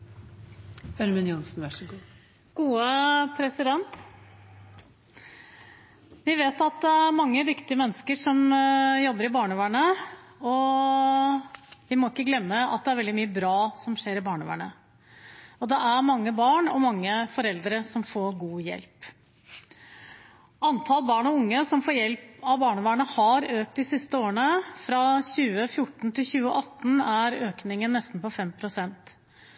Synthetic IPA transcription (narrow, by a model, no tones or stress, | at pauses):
œɾmʏnjʊnsnʋæʂɡuː | ɡ̥uːəpʰɾɛsɪd̪ɛnt̪ | ʋɪʋeːt̪ɑt̪̚d̪ɛæɾmɑŋːəd̪ʏkt̪ɪəmɛnːəskəʂɔmjɔbːəɾɪbɑːɳʉʋæɳə | ɔ | ʋɪmɔɪkːəɡlɛmːəɑ̰t̪̚d̪ɛæɾʋɛld̪ɪmyːəbɾɑːsɔmʂeːɾɪbɑːɳʉ̰ʋæ̰ɳə | ɔd̪ɛʔæɾmɑŋːəbɑːɳɔmɑŋːəfɔɾɛld̪ɾəsɔmfoːɾɡuːjɛ̰lp | ɑnt̪ʰɑlbɑːɳɔʊŋːəsɔmfoːɾjɛlpɑʋbɑːɳəʋæːɳəhɑɾøːk̚t̪̚d̪ɪsɪst̪əoːəɳəfɾɑɕʉːəfjʊʈːn̩t̪ʰɪlɕʉːəʔɑt̪ːn̩æɾøːknɪŋənːɛst̪n̩pɔfɛmpʰɾʊsɛnt̪